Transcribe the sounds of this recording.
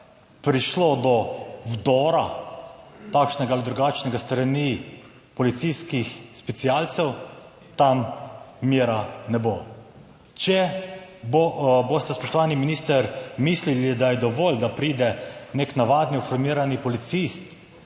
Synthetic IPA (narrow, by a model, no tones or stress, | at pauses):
pɾiʃlod̪ɔwd̪ɔːɾa | t̪aːkʃnɛɡaːlid̪ɾuɡat͡ʃnɛɡast̪ɾani | pɔlit̪siskixspɛt̪sialt̪sɛw | t̪amːjeːɾanɛbo | t͡ʃɛbobost̪ɛspɔʃt̪ɔʋaːniminiːst̪əɾmislilid̪ajɛd̪ɔʋɔːld̪apɾiːd̪ɛneknaʋaːd̪niufɔɾmiːɾanipɔlit̪sist̪